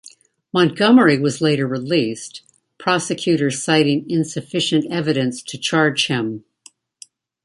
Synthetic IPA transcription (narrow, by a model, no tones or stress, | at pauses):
mɑ̃nɡ̥ʌmə˞iwʌzleɪɾə˞ɹilist | pʰɹ̥ɑsɨkʰj̥ʉɾə̥˞saɪɾɪ̃ŋɪ̃nsɨfɪʃɨ̃ntɛvɨɾɨ̃nstʰɨt͡ʃʰɑɹd̥ʒ̥hɪ̃m